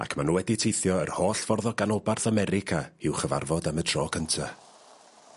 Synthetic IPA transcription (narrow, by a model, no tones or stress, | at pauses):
a̰kʰmanuːwɛditʰejθjɔərhoːɬv̥ɔrðɔɡanɔbarθamɛɾɪkʰaɪwχəva̰rvɔdamədrɔːkʰəntʰa